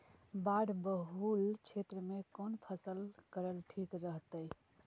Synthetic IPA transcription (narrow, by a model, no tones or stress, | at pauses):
baɽbəɦult͡ʃʰet̪ɾəmekonpʰəsəlkəɾəlʈʰikɾəɦt̪əj